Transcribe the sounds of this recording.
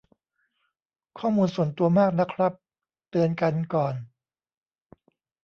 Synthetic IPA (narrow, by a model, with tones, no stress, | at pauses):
kʰɔː˥˩muː˧nsu˨˩ənt̪u˧ɐmaː˥˩k̚na˦˥kʰɾa˦˥p̚ | t̪ɯ˧ənka˧nkɔː˨˩n